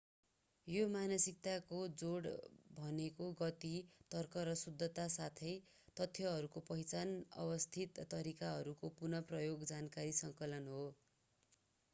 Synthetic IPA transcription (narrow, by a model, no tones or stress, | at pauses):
jomanʌsik̚t̪akod͡zoɽbʱʌnekoɡʌt̪it̪ʌrkʌɾʌsud̪ʱːʌt̪asat̪ʰʌj | t̪ʌt̪ʰːjʌɦʌɾukopʌɦjt͡sanʌ̰bʌst̪ʰit̪ːʌɾikaɦʌɾukopurnʌprʌjoɡd͡zankaɾisʌŋkʌlʌnɦo